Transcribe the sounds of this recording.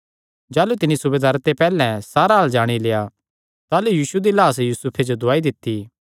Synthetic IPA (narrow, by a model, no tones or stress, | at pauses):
d͡ʒaːlut̪ɪnisʊbeːd̪aːɾt̪epɛːlɛ̃saːɾaɦaːld͡ʒaːɽ̃ileːja | t̪aːlujiːʃud̪ilaːsjuːsʊpʰed͡ʒod̪ʊaːid̪ɪt̪ːi